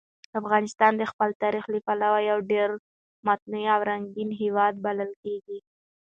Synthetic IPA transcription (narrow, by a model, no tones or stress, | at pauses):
afɣɑnɪst̪ɑnd̪əxpəlt̪ɑɾixlipalawajawɖeɾ | mat̪̚nuiawɾaŋɡinɦewɑd̪̚baləlkeɡi